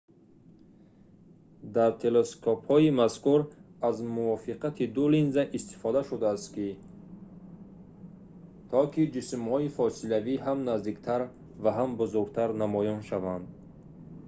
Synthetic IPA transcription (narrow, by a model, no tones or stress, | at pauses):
d̪aɾt̪ʰe̞leskʰophɔimaskuɾazmuvɔfiqʰat̪ʰid̪ulinzaʔist̪i̥fɔd̪aʃud̪aːst̪ki | t̪ʰɔkʰid͡ʒismhɔifɔsilaviɦamnazd̪ikt̪ʰaɾ | vaɦambuzuɾɡt̪ʰaɾnamɔjɔnʃavand̪